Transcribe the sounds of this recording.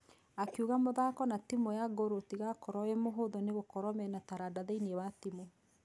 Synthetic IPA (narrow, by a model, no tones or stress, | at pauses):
akjuɣamoðakɔnatimojaɡoɾotiɣakɔɾɔemoɦoðɔneɣokɔɾwɔmɛnataɾadaðeinewatimo